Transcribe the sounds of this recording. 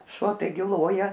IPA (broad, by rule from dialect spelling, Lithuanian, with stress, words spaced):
ˈʃuɔ tɐɪˈɡʲɪ ˈlˠoːjɛ